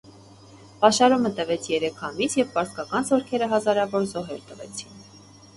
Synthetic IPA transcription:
pɑʃɑɾumət̪əvɛt͡sʰjɛɾɛkʰɑmisjɛvpɑɾskɑkɑnzɔɾkʰɛɾəɦɑzɑɾɑvɔɾzɔɦɛɾt̪əvɛ̰t͡sʰin

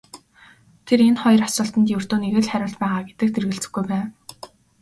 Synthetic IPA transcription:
t̪ʰeɾenχɔjɞ̆rasə̆ɬt̪ə̆nt̪jewɘr̥t̪oːneɣɘ̆ɮχæɾʲʊːɮt̪pæːʁaːɡet̪ɘ̆k̚t̪erɣɘ̆ɬt͡sɘ̥̆xɡujpæːn

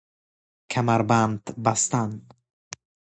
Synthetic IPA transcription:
kʰamaɾband̪bast̪an

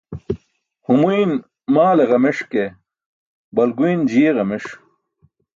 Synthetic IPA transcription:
humuin | maːleɣɐmeʂke | bɐlɡujnd͡ʑijeʁɐmeʂ

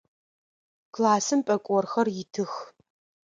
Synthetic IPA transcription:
kʰlaːsɨmpʼɐkʷʼɔrxɐrjɪtʰɨx

